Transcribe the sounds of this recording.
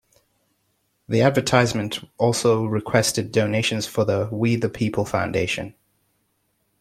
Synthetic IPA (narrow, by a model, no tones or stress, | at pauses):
ðiædvətʰaɪzmə̃ntɔˑlˠsoʊɹɪkʰw̥ɛstɨdoʊneɪʃɨ̃nz̥fəðəwiðəpʰipʰəlˠfã̰ʊ̃ndeɪʃɨ̰̃n